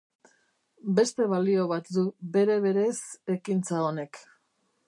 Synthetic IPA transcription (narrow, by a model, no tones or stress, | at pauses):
be̞st̪e̞β̞alio̞β̞at̪d̪ube̞ɾe̞βe̞ɾe̞se̞kint͡saone̞k